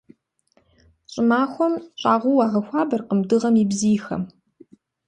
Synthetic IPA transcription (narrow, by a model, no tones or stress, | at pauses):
ɕʼɪmaːxʷɔmɕʼaːʁʷuwɑːʁɐxʷɑːbɐrqəmdɨʁɐmiːbziːxɐ̰m